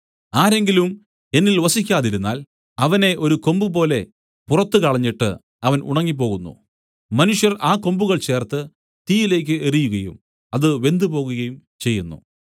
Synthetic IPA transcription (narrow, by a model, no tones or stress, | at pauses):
aːɾe̞ŋɡilum | e̞nːilʋɐsikʲːaːðiɾunːa̰ːl | ɐʋɐne̞ʔo̞ɾuko̞mbupo̞ːle̞ | purɐt̪ːɨkɐɭɐɲːiʈːɨ̰ | ɐʋɐnṵɳɐŋːip̬o̞ːɣunːṵ | mɐnuʂjɐraːko̞mbuɣɐɭt͡ɕe̞ːrt̪ːɨ | t̪iːjile̞ːk̬ʲːɨerijuɣɐjṵm | ɐðɨʋe̞nd̪ɨpo̞ːɣuɣɐjumt͡ɕe̞jːunːṵ